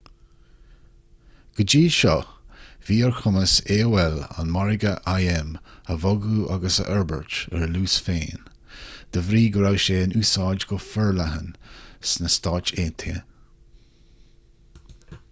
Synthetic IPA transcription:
ɡ̥əd͡ʒiːʃɔviːəɹxʰʊməseːwɛla̰nmaɹɪɡəʔajɛməvɔɡuːʔaɡəsə̰ʔɛɹbə̰ɹt͡ʃɛɹluːsfeːn | d̪̥əvɾiːɡəɾawʃeːənuːsɑːd͡ʒɡɔfəɹlaɦənsnəstɑːt͡ʃeːnt̪ʰḛː

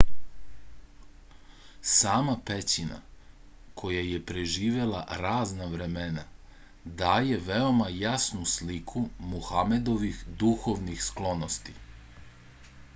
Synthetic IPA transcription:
saːmapet͡ɕina̰ | kʰo̞jaje̞pɾe̞ʒiːʋe̞lˠa̰ɾaːznaʋɾe̞mena | d̪aːje̞ʋe̞o̞majasnuslikʰumuxame̞d̪o̞ʋixd̪uxo̞ʋnixsklˠo̞nost̪i

